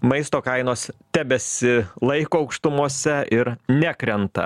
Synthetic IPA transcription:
mɐɪst̪oːkɐɪnoːst̪ʲæːbʲɛsʲɪlˠɐɪkoːɐʊkʃt̪ʊmuɔsʲɛʔɪɾnʲækɾʲɛnt̪ɐ̰

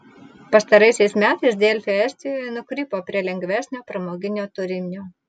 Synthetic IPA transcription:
pɐst̪ɐɾɐɪsʲɛɪsmʲæːt̪ɐɪsd̪ʲɛlʲfʲeɛsʲt̪ʲɪjoːjɛnʊkɾʲɪpoːpʲɾʲiɛlʲɛŋʲɡʋʲæːsʲnʲoːpɾɐmoːɡʲɪnʲoːt̪ʊɾʲɪmʲoː

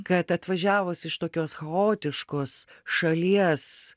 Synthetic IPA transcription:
kɐt̪ɐt̪ʋɐʒʲæːʋʊsɪʃt̪oːkʲoːsxɐoːt̪ʲɪʃkoːsʃɐlʲiɛs

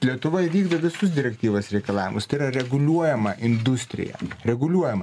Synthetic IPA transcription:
lʲiɛt̪ʊʋoɪʋʲiːɡd̪ɐʋʲɪsʊsd̪ʲɪɾʲɛkt̪ʲiːʋoːsɾʲɛɪkɐlˠɑːʋʲɪ̰mʊst̪ɐɪiɾɐɾʲɛɡʊlʲuɔjɛmɐʔɪnd̪ʊsʲt̪ʲɾʲɪ̰jɛ̰ɾʲɛɡʊlʲuɔjɛmɐ

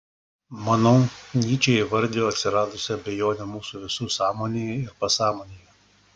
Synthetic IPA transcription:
mɐnɐʊnʲiːt͡ʃʲɛːɪʋɐɾʲd̪ʲɪjoːɐt̪ʲsʲɪɾɑːd̪ʊsʲɪɐbʲɛjoːnʲɛmuːsuːʋʲɪsuːsɑːmoːnʲejɛɪɾpɐsɑːmoːnʲejɛ

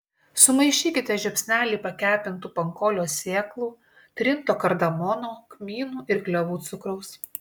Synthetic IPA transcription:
sʊmɐɪʃʲiːkʲɪt̪ʲɛʒʲɛpʲsʲnʲæːlʲiːpɐkʲæːpʲɪnt̪uːpɐŋkɔːlʲoːsʲeːklˠuː | t̪ʲɾʲɪnt̪oːkɐɾd̪ɐmɔnoːkmʲiːnuːʔɪɾɡlʲɛʋuːt̪sʊkɾɐʊs

